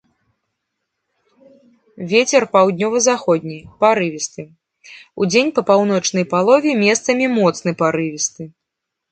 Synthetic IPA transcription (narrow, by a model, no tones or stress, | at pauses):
vʲet͡sʲɛrpawd̪ʲnʲɔvɐzaxɔd̪̚ʲnʲijpaɾɨvʲist̪ɨ | ud͡zʲenʲpɐpawnɔt͡ʂnɐjpalˠɔvʲɛmʲɛst̪sɐmʲimɔt̪snɨpaɾɨvʲist̪ɨ